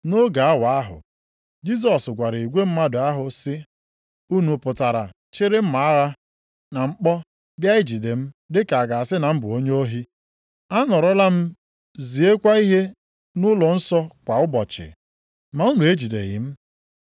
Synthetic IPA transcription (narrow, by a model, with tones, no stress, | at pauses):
no˦ɡa˨a˦wa˨a˦ɦʊ̰˨ | d͡ʒi˦s̬ɔ˨sɡʷa˨ɾɪ˨i˨ɡʷe˦m̩˦ma˦dʊ˨a˦ɦʊ˨sɪ˦ | u˦nu˨pʊ˨ta˨ɾa̰˨ | t͡ʃɪ˦ɾɪ˦m̩˦ma˨˦a˦ɣa˦ | na˨ŋ͡m̩˦k͡pɔ˦ | bja˦ɪ˦d͡ʒi˨de˨m̩˦dɪ˦ka˨a˨ɡa˨a˨sɪ˦na˨m̩˦bʊ˨o˦ɲe˦o˦ɦi˦ | a˦nɔ˨ɾɔ˦la˦m̩˦ | zi˨e˦kʷa˦i˦ɦe˦ | nʊ˦lɔ˨n̩˦sɔ˦kʷa˨ʊ˦bɔ˨t͡ʃɪ̰˨ | ma˨u˦nu˨e˦d͡ʒi˨dḛ˨ɣɪ̰˨m̩˦